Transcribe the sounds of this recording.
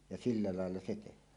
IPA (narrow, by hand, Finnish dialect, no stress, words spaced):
jɑ silːɑ lɑˑelːɑ se tehˑæːn